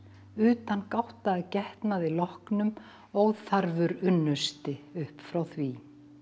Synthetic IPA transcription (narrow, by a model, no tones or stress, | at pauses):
ʏːt̪ankawht̪aːðcɛht̪naðɪlɔhknʏm | owðθaɾvʏɾʏnːʏst̪ɪʏhpfɾawθvi